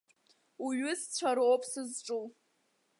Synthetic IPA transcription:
uɥʊst͡ɕʷʰaɾowpʼsɨzʈ͡ʂʼuw

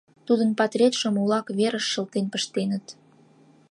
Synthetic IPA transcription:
t̪ud̪ənpɑt̪rʲet̪ʃŏmulɑkβeɾəʃːə̆lt̪enpə̆ʃt̪enət̪

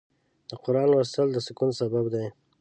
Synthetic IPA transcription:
d̪̥əqʊɾɑnwast̪əld̪əsɪkunsababd̪aj

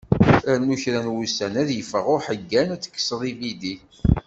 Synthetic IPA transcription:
ænuçɾænwusænæðjəfəʁʊɾħəɡːænæt͡sːə̥kːə̥sðˤivid̪i

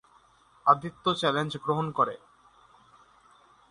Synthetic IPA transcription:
ad̪it̪ːot͡ɕɛlend͡ʑɡɾoɦonkoɾḛ

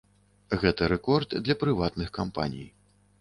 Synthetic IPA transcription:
ɣɛt̪ɐɾɛkɔrd̪d̪lʲɐpɾɨvat̪nɨxkampa̰nʲḭj

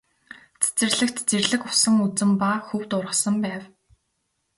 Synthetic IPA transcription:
t͡sʰe̥t͡sɘ̆rɮɘ̆kt̪t͡serɮɘ̆kʊ̥sə̆ŋut͡sɘ̆mpaxɵwt̪ʊrʁə̆sə̆mpæːw

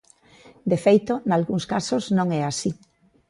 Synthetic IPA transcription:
d̪efejt̪onalɣuŋskasoznõŋɛasi

